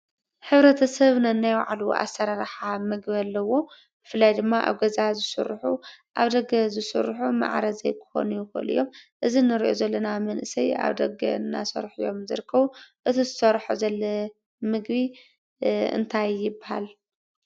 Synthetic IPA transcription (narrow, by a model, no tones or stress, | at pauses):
ħɨβɾɐt̪ʰɐsɐβnɐnːajwa̰ʕaluʔa̰sɐɾaɾħamɨɡbalːɐwo̞ | b̥ɨfɨlːajd̪ɨmːaʔa̰βɡɐzazɨsɨ̰ɾːħuʔaβd̪ɐɡɐzɨsɨ̰ɾħuma̰ʕɾɐzɐjkʰɨ̥xo̰nujɪxo̰lɨ̰jo̞mʔɨzinɨɾiʔo̞̰zɐlːɐnamɐnʔɨsɐja̰βd̪ɐɡɐ̰nːa̰sɐ̰ɾħujo̞̰mzɨɾɨkʰːɐβuʔɨt̪ʰizɨsɐɾħuzɐlːɐ | mɨɡbi | ɨ̰nt̪ʰajːɪbaha̰l